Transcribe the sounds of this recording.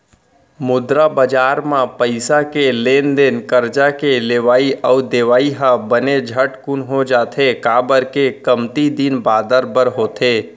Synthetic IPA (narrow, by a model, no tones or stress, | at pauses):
mʊd̪ɾabəd͡ʒaːɾmãpəɪsakeleːnd̪ɪnkəɾd͡ʒakeleːʋaːiʔɔːd̪eʋaːiɦãbəned͡ʒʱəʈkʊnɦod͡ʒaːt̪ʰekaːbəɾkekəmt̪id̪iːnbaːd̪əɾbəɾɦoːt̪ʰeː